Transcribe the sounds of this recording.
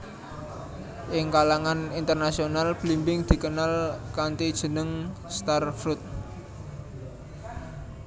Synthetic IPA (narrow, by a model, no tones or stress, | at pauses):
ʔɪŋkalaŋanint̪ərnasionalb̥limbɪŋd̪̥i̤kənalkant̪id̥ʒ̥ə̤nəŋst̪arfɾut̪̚